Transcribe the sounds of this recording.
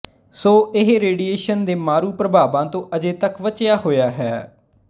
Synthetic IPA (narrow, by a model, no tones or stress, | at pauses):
soːɪɦɾeːɖieːʃənd̪eːmaːɾuːpɾəbʱaːbãːt̪õːʔəd͡ʒeːt̪əkʋət͡ʃɪjaːɦoːjaːɦɛː